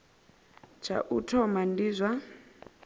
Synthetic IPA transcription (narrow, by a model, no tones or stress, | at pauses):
t͡ʃʰa̰ʔutʰɔmandizʷa